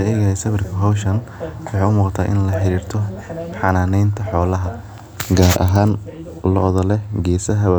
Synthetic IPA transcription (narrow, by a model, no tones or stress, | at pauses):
ɛɣɐsɐβɐrkʰɐɦɔwʃɐn | ħɑjʊmuːqɑt̪ʰaːʔɪ̰nlɐħɪɾiːrt̪ʰɔħɑnaːnɛjnt̪ʰɐħɔːlɐɦɐ | ɡaːɾʔɐ̰ɦaːn | lɔðɐlɛɡɛːsɐɦɐβ